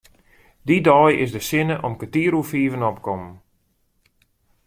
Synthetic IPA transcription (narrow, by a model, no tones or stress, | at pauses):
didɔjɪsdəsɪnəʔɔmkətiːɾufiːvənɔpkɔmən